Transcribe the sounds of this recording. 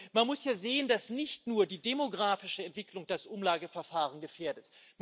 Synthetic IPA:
manmʊsjaːzeːəndasnɪçtnuːɐdiːdemoɡʁaːfɪʃəɛntv̥ɪklʊŋd̥asʔʊmlaːɡəfɛɐfaːʁ̞ənɡəfeːɐdətm

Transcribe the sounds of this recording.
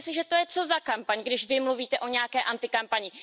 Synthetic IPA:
sɪʒɛt̪o̞jɛt͡so̞zakampaɲɡdɪʃvɪmluviːt̪ɛʔo̞ɲɛjakɛːʔant̪ɪkampaɲɪ

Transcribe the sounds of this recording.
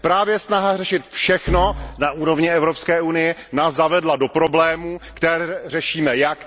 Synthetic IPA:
pɾaːvjɛsnaɦarɛʃɪt̪fʃɛxno̞naʔuːɾo̞vɲɪɛvɾopskɛːʔunɪjɛnaːszavɛdlado̞pɾo̞blɛːmukt̪ɛrɛʃiːmɛjak

